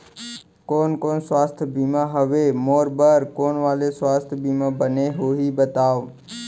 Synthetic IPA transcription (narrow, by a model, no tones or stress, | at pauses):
koːnkoːnswaːst̪ʰbiːmaɦəʋemoːɾbəɾkoːnʋaːleswaːst̪ʰbiːmãbəneɦoːɦibət̪aːʋ